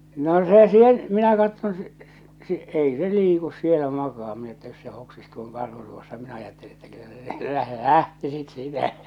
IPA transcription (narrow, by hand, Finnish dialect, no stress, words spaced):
no se sen minæ kɑtːon se s s ei se liːkus sielæ mɑkɑː minæ etːæ jos se hoksis tuoŋ kɑrhu tuosːɑ minæ ɑjɑtːeli etːæ kylːæ se læh læhtisit siːtæ